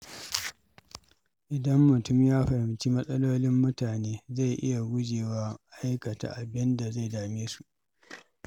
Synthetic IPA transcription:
ʔɪ˨dɐ˦mːʊ˨tʊ˦mjaː˦ɸɐ˨hɪ˨mt͡ʃi˦mɐ˦sʼɐ˦loː˦lɪ˦mːʊ˦taː˨neː˦za˦˨jʔɪ̰˦ja˨ɡʷʊ˦d͡ʒeː˨waː˦ʔa˦jkɐ˨ta̰ː˨ʔa˨bɪ˦nda˨za˦˨jdaː˨meː˦su˨ʔ

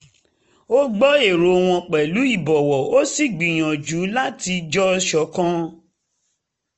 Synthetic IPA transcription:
o˦ɡ͡bɔ˦e˨ɾo˨˦˧w̃ɔ̃˧k͡pɛ˨lu˨˦i˦˨bɔ˨wɔ˨o˦si˨ɡ͡bĩ˨j̃ã˨d͡ʒu˨˦la˦ti˧d͡ʒɔ˦˧ʃɔ˨˦kã˦

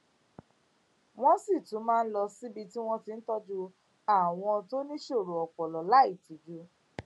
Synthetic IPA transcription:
w̃ɔ̃˦si˦˨tũ˨˦mãː˦˧n̩˦lɔ˧si˦bi˧ti˦w̃ɔ̃˦ti˧n̩˦tɔ˦d͡ʒu˧ | a˦˨w̃ɔ̃˧to˦nĩ˦ʃo˦˨ɾo˨ɔ˨k͡pɔ˨lɔ˨la˦i˦˨ti˨˦d͡ʒu˦

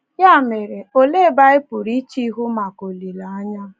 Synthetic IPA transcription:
ja˦˨me˨ɾe˨o˨le˦˨ba˦ɪ˦pʊ˨ɾi˦t͡ʃi˦ɦu˦ma˨ko˨li˨la˨a˦ɲa˦

